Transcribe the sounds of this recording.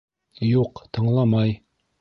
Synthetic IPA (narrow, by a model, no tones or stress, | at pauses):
juqt̪ɤ̆ɴlˠɑmɑj